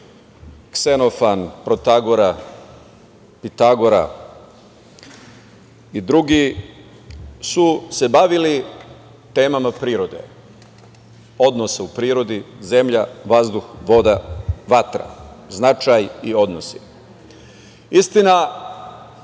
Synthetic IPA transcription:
ksenofanpɾot̪aɡoɾa | pit̪aɡoɾa̰ | id̪ɾuɡi | suse̞baʋili | t̪e̞ːmamapɾiːɾo̞d̪ḛ | o̞d̪nosaupɾiːɾo̞d̪ize̞mʎaʋazd̪uxʋo̞d̪aʋat̪ɾa̰znat͡ʃajio̞d̪nosi̥ | ist̪ina

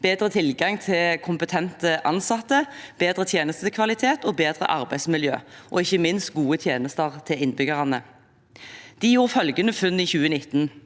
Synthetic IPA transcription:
b̥eːd̪ʁət̪ʰɪlɡɑŋt̪ʰɪlkʰʊmpət̪ʰɛnt̪əʔɑ̰nsɑt̪ːəb̥eːd̪ʁət̪ʰjeːnəst̪əkʰʋɑlɪt̪ʰeːt̪oːbeːd̪ʁə̰ʔɑʁbæɪsmɪljø̰ːʔɔ̰ɪçəmɪnst̪̚ɡuːət̪ʰjeːnəst̪əʁt̪ʰɪlɪnbʏɡəʁɑnə | d̪̥iːjuːʁfœlɡənəfʉnːiːçʉːənɪt̪n̩

